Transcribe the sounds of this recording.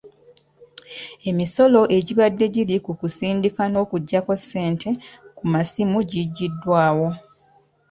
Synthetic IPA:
e̞miso̞lo̞ʔe̞ɟiβadːe̞ɟilikukusiːndikano̞ːkuɟːako̞sːe̞ːntʰe̞kumasimuɟiɟːidːwaːwo̞

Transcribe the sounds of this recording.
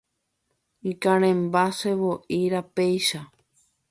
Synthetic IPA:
ikãɾ̃ẽmbaseβoʔiɾapejʃa

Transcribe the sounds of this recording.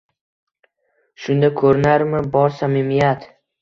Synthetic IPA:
ʃʊnd̪akʰɵɾɪnaɾmɪbɒɾsamɪmijat̪

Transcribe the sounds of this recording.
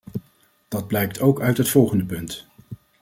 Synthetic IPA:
d̥ɑd̚blɛjk̚tʰowkœɥtɦətfɔlˠχəndəpɵnt

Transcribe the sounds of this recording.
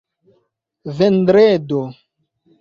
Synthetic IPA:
vɛndɾedo

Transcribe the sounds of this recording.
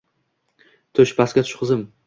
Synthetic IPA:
t̪ʰʊʃpʰasɡʲat̪ʰʊ̥ʃqʰɨzɪm

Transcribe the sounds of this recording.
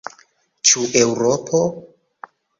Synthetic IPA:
t͡ʃuʔewɾopʰo

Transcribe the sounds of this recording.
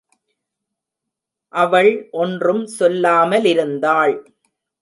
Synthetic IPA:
ʔɐʋɐɭʔɔndrɯmsɔlːaːmɐlɪɾɯnd̪aːɭ

